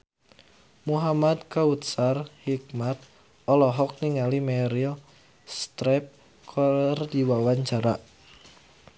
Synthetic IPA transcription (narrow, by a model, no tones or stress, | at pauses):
muɦamad̪kaut̪̚sarhik̚mat̪̚ | ʔɔlɔɦɔk̚niŋalimɛɾil | st̪ɾɛp̚ | kʰɔrdiwawaɲt͡ʃaɾaʔ